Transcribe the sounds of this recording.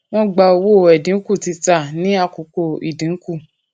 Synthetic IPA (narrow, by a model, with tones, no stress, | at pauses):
w̃ɔ̃˦ɡ͡ba˧o˧wo˦˨ɛ˨dĩ˨˦ku˦˨ti˧ta˦˨nĩ˨˦a˧˨ko˨˦ko˧˨i˨dĩ˨˦ku˦˨